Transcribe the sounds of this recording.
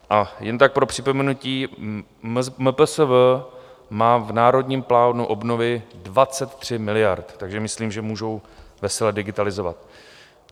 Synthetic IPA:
ʔajɛnt̪ak̚pɾopr̥ɪpo̞mɛnuciː | məpəsəvəmaːvnaːɾo̞dɲiːmplaːnuʔo̞bno̞vɪdvat͡sɛt̪t̪r̝̥ɪmɪlɪjaɾt̪t̪aɡʒɛmɪsliːmʒɛmuːʒowvɛsɛlɛdɪɡɪt̪alɪzo̞va̰t̪̚

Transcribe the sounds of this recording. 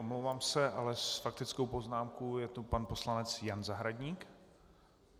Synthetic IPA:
omlowvaːmsɛʔalɛsfak̚t̪ɪt͡skowpo̞znaːmkojɛt̪upanpo̞slanɛt͡sjanzaɦɾaɟɲiːk

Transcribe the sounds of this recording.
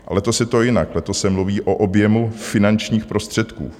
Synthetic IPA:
alɛt̪o̞sjɛt̪o̞jɪnaklɛt̪ossɛmluviːʔoʔobjɛmufɪnant͡ʃɲiːxpɾo̞st̪r̝̥ɛt̪kṵː

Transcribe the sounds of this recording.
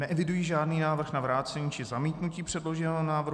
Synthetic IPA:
nɛʔɛvɪdujiːʒaːdniːnaːvr̩xnavɾaːt͡sɛɲiːt͡ʃɪzamiːt̪nuciːpr̝̥ɛdloʒɛnɛonaːvr

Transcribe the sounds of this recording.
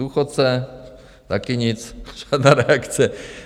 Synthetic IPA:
uːxot̪̚t͡sɛ | t̪akɪɲɪt͡sʒ̥aːd̪naːɾɛakt͡sɛ

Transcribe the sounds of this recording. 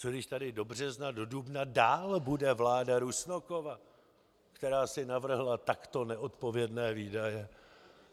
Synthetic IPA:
t͡sodɪʃt̪adɪdo̞br̝ɛznado̞dubnadaːlbudɛvlaːdaɾusnoko̞va | kt̪ɛɾaːsɪnavr̩ɦlat̪akt̪o̞nɛʔo̞t̪po̞vjɛdnɛːviːdajɛ

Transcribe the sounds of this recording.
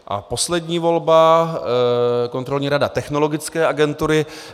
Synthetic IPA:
ʔa̰po̞slɛdɲiːvo̞lba | ko̞nt̪ɾo̞lɲiːɾadat̪ɛxno̞lo̞ɡɪt͡skɛːʔaɡɛnt̪uɾɪ

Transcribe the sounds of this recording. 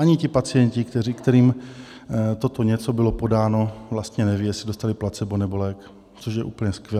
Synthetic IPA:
ʔaɲɪcɪpat͡sɪjɛɲcɪkt̪ɛrikt̪ɛɾiːm | t̪o̞t̪oɲɛt͡so̞bɪlo̞po̞daːno̞vlast̪ɲɛnɛvijɛsɪdost̪alɪplat͡sɛbonɛbo̞lɛk | t͡soʃjɛʔuːpl̩ɲɛskvʲjɛ

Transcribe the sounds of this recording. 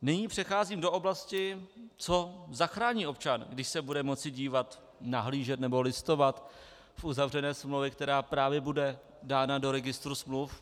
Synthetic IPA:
nɪɲiːpr̝̥ɛxaːziːmdo̞ʔo̞blascɪt͡sozaxɾaːɲiːo̞p̚t͡ʃanɡdɪʃsɛbudɛmo̞t͡sɪɟiːvat̪ | naɦliːʒɛt̪nɛbo̞lɪst̪o̞vat̪ | fʔuzavr̝ɛnɛːsmlowvjɛkt̪ɛɾaːpɾaːvjɛbudɛ | daːnado̞ɾɛɡɪst̪ɾusmluf

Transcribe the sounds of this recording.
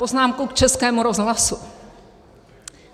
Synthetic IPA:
poznaːmkukt͡ʃɛskɛːmuɾo̞zɦlasu

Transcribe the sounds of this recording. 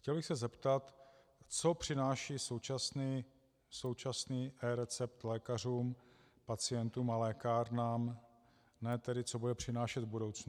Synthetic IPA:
xcɛlbɪxsɛzɛpt̪at̪ | t͡so̞pr̝̥ɪnaːʃiːso̞wt͡ʃasniː | so̞wt͡ʃasniːʔɛɾɛt͡sɛp̚t̪lɛːkar̝uːm | pat͡sɪjɛnt̪uːmalɛːkaːɾnaːm | nɛːt̪ɛdɪt͡sobudɛpr̝̥ɪnaːʃɛd̪vbudowt͡snu

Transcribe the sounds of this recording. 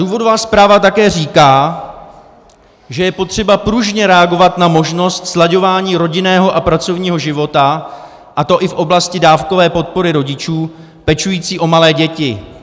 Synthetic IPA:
duːvo̞dovaːspɾaːvat̪akɛːr̝iːkaː | ʒɛjɛpo̞t̪r̝̥ɛbapɾuʒɲɛɾɛaɡo̞vat̪namo̞ʒno̞st̪slaɟo̞vaːɲiːɾo̞ɟɪnɛːɦo̞ʔapɾat͡so̞vɲiːɦo̞ʒɪvo̞t̪a | ʔat̪o̞ʔɪfʔo̞blascɪdaːfko̞vɛːpo̞t̪̚po̞ɾɪɾo̞ɟɪt͡ʃuː | pɛt͡ʃujiːt͡siːʔo̞malɛːɟɛcɪ

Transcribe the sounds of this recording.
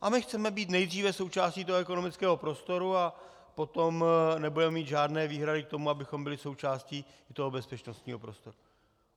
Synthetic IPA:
ʔamɪxt͡sɛmɛbiːt̪nɛjd̪r̝iːvɛso̞wt͡ʃaːsciːt̪oɦoɛkono̞mɪt͡skɛːɦo̞pɾo̞st̪o̞ɾua | po̞t̪omnɛbudɛmɛmiːt̪ʒaːdnɛːviːɦɾadɪk̚t̪o̞muabɪxo̞mbɪlɪso̞wt͡ʃaːsciː | t̪oɦobɛspɛt͡ʃnost̪ɲiːɦopɾost̪o̞ɾu

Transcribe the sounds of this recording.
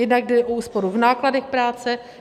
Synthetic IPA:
ɛdnaɡ̚dɛʔouːspo̞ɾuvnaːkladɛxpɾaːt͡sɛ

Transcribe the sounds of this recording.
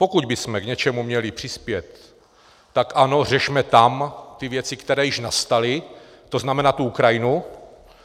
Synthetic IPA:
po̞kud̪bɪsmɛɡɲɛt͡ʃɛmumɲɛlɪpr̥ɪspjɛt̪ː | akʔano̞r̝ɛʃmɛt̪amt̪ɪvjɛt͡sɪkt̪ɛɾɛːjɪʃnast̪alɪ | t̪oznamɛnaːt̪uukɾajɪnu

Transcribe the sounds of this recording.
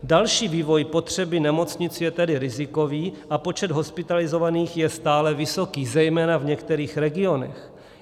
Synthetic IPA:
dalʃiːviːvo̞jpo̞t̪r̝̥ɛbɪnɛmo̞t͡sɲɪt͡sjɛt̪ɛdɪɾɪzɪko̞viːʔapo̞t͡ʃɛd̪ɦo̞spɪt̪alɪzo̞vaniːxjɛst̪aːlɛvɪso̞kiːzɛjmɛːnavɲɛkt̪ɛɾiːxɾɛɡɪo̞nɛ̰x

